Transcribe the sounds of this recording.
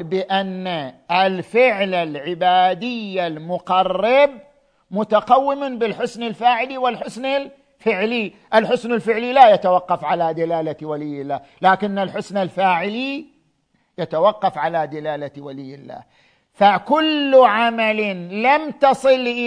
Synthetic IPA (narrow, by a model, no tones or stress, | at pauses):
bɪʔanːaɪlfɪʕlalʕɪbaːd̪ɪjːalmʊqɑrːɪb | mʊt̪aqawːɪmbɪlħʊsnɪlfaːʕɪliwɪlħʊsnɪl | fɪʕli | ʔɪlħʊsnɪlfɪʕlilajat̪awɑqːɑfʕalad̪alaːlawalɪjːɪlːaː | laːkɪnːalħʊsnalfaːʕɪli | jat̪awɑqːɑfʕalad̪ɪlaːlawalɪjːɪlːa̰ː | fakʊlːʕamalɪlamt̪ɑsˤɨlʔɪ